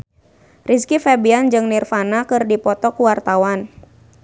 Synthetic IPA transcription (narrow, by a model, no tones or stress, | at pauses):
rʔiskifɛbiand͡ʒɨŋnirfanakɨrdipɔt̪ɔkuwart̪awan